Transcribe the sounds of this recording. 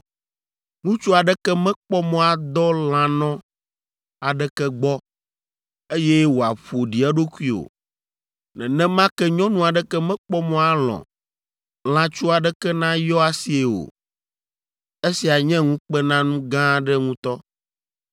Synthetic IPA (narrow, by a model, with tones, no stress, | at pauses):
ŋũ˦t͡ʃu˦a˨ɖɛ˦kɛ˦mɛ̃˦k͡pɔ˦mɔ̃˦a˨d̪ɔ˦l̃ã˨nɔ̃˦ | a˨ɖɛ˦kɛ˦ɡ͡bɔ˦ | e˦jɛ˦wo˨a˨ɸo˨ɖi˨ɛ˦ɖo˦ku˦i˦o̰˨ | nɛ̰̃˨nɛ̃˦mã˦kɛ˦ɲɔ̃˦nũ˦a˨ɖɛ˦kɛ˦mɛ̃˦k͡pɔ˦mɔ̃˨˦a˨lɔ̰̃˨ | l̃ã˨t͡ʃu˦a˨ɖɛ˦kɛ˦nã˦jɔ˦a˨si˦e˨o̰˨ | e˦si˨a˨ɲɛ̃˦ŋũ˦k͡pɛ˦nã˦nũ˦ɡã˦ɖɛ˦ŋũ˦t̪ɔ˦